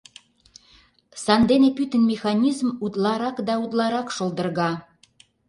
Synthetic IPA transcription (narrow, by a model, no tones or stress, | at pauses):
sɑnd̪enepyt̪ənmʲexɑnʲizmud̪lɑɾɑkd̪ɑud̪lˠɑɾɑkʃolˠd̪ə̆rɣɑ